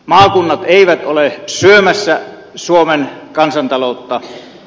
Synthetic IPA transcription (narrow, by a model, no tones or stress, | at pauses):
mɑːkunːɑt̪eˑiʋæt̪olesyømæsːæ | suomenkɑnsɑnt̪ɑlot̪ːɑ